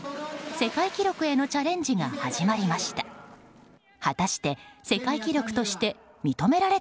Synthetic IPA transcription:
se̞kaikʲiɾʲo̞kɯ̟e̞no̞t͡ɕaɾẽ̞ɲ̟d͡ʑiŋa̰haʑimaɾʲimaɕi̥t̪ḁ | hat̪aɕi̥t̪e̞se̞kaikʲiɾʲo̞kɯ̟̥t̪o̞ɕi̥t̪e̞ | mʲit̪o̞me̞ɾaɾe̞

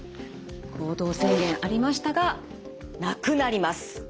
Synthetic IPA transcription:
ko̞ːd̪o̞ːsẽŋɡʲẽ̞ɰ̃ʔaɾʲimaɕi̥t̪aɡa | nakɯ̟naɾʲimasɨ̥

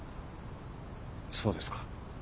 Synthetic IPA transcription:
so̞ːd̪e̞sɨ̥kḁ

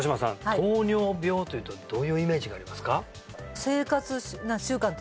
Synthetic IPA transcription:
oɕ̬imasã̰nad̪oːɲʲo̞ːbʲo̞ːt̪o̞jɯ̟ːt̪od̪̥o̞ːjɯ̟ːime̞ːʑiɡaːɾʲimasɨ̥ka | se̞ːkat͡sɨnãɕɨːkãnt̪

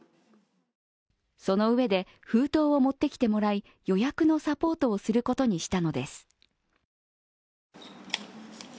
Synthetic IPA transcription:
so̞no̞ɯ̟e̞d̪e̞ | ɸɯ̟ːt̪o̞ːomo̞t̪ːe̞kʲi̥t̪e̞mo̞ɾai | jo̞jakɯ̟no̞sapo̞ːt̪o̞ːsɨɾɯ̟ko̞t̪o̞ɲ̟iɕi̥t̪ano̞d̪e̞sɨ̥

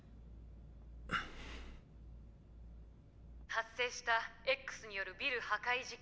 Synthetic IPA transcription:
hasːe̞ːɕi̥t̪ae̞kːɯ̥sɨɲ̟ijo̞ɾɯ̟bʲiɾɯ̟hakaiʑi

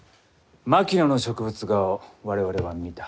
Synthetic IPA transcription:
makʲinono̞ɕo̞kɯ̟bɯ̟t͡sɨɡaoβaɾe̞βaɾe̞βamʲit̪ḁ

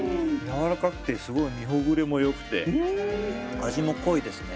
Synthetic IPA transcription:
jaβaɾakakɯ̟̥t̪e̞sɨɡo̞imʲiɦo̞ɡɯ̟ɾe̞mo̞jo̞kɯ̟̥t̪e̞̰ | aʑimo̞ko̞id̪e̞sɨne

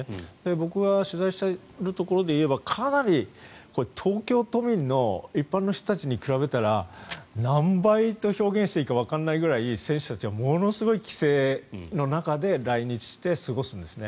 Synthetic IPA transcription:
d̪̥e̞bo̞kɯ̟ɡaɕɨzaiɕt̪a | ɾɯ̟t̪o̞ko̞ɾo̞d̪e̞ie̞bakʰanaɾʲiko̞ɾet̪ʰo̞ːkʲo̞ːt̪o̞mʲĩnːo̞ipːãnːo̞ç̥t̪o̞t̪at͡ɕiɲ̟ikɯ̟ɾaβe̞t̪aɾanãmbait̪o̞ço̞ːɡẽɕit̪eiːkaβ̞akanːaiɡɯ̟ɾaisẽ̞ɰ̃ɕɨ̥t̪at͡ɕiβamo̞no̞sɨɡo̞ikʲi̥se̞ːno̞nakad̪e̞ɾaiɲ̟it͡ɕi̥ɕt̪e̞sɨɡo̞sɨ̃nd̪e̞sɨne̞

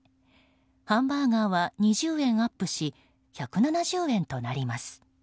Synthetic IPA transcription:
hãmbaːɡaːβaɲ̟iʑɨːẽ̞ɰ̃apːɯ̟ɕi | çakɯ̟nanaʑɨːẽ̞nt̪o̞naɾʲimasɨ̥

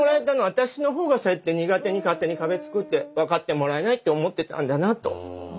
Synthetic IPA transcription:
oɾaet̪ano̞at̪aɕino̞ɦo̞ːɡasoet̪ːe̞ɲ̟iɡat̪e̞ɲ̟ikat̪ːe̞ɲ̟ikabe̞t͡sɨ̥kɯ̟t̪ːe̞βakat̪ːe̞mo̞ɾae̞nait̪ːeomo̞t̪ːe̞t̪ã̰nd̪anat̪o̞̰

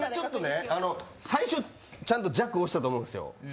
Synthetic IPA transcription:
at͡ɕo̞t̪ːo̞neano̞saiɕo̞ | t͡ɕãnt̪o̞d͡ʑakːɯoɕi̥t̪at̪oːmoɯ̃nesɨjo̰

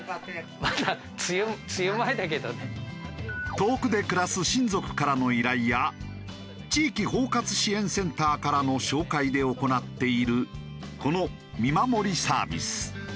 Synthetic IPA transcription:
mad̪a | t͡sɨjɯmt͡sɨjɯmaet̪ake̞d̪one | t̪o̞ːkɯ̟d̪e̞kɯ̟ɾasɨɕĩnzo̞kɯ̟̥kaɾano̞iɾaija | t͡ɕiːkʲiho̞ːkat͡sɨ̥ɕiẽ̞ɰ̃sẽ̞nt̪aːkaɾano̞ɕo̞ːkaid̪e̞o̞ko̞nat̪ːe̞iɾɯ̟ | ko̞no̞ | mʲimamo̞ɾʲisa̰ːbʲḭsɨ̥

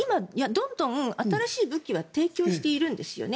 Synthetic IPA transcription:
imajad̪õ̞nd̪õ̞ŋɯaaɾaɕiːbɯ̟kʲiβat̪e̞ːkʲo̞ːɕi̥t̪e̞iɾɯ̟̃nd̪e̞sɨ̥jo̰ne

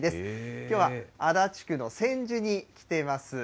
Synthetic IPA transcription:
d̪e̞sɨ̥kʲo̞ːβaad̪at͡ɕi̥kɯ̟no̞sẽ̞ɲ̟d͡ʑɨɲ̟ikʲi̥t̪e̞masɨ

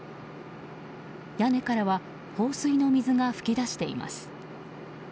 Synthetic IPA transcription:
jane̞kaɾaβa | ho̞ːsɨino̞mʲizɨŋaɸɯ̟̥kʲid̪aɕi̥t̪e̞ḭma̰sɨ̥

